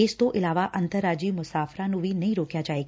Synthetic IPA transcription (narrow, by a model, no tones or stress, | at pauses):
eːst̪oʔɪlaːʋaʔɐnt̪əɾaːd͡ʒiːmʊsaːfɾãnũʋʱinɐĩɾoːkjad͡ʒaːeːɡa